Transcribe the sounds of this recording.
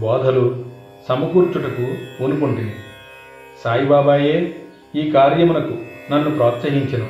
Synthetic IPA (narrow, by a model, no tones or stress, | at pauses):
bɔːd̪ʱɐlu | sɐmɐkuːɾt͡ʃuʈɐkuonukoɳʈind̪i | saːjibaːbaːje̞ː | iːkaːɾjɐmunɐkunɐnːupɾɔːt̪sɐɦiɲt͡ʃɐnu